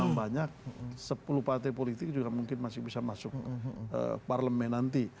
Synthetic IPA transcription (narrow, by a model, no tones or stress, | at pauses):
aŋbaɲak̚səpuluhpart̪ajpolit̪ɪk̚d͡ʒuɡamuŋkɪnmasɪhbisamasʊk̚ə̰parləmɛnant̪i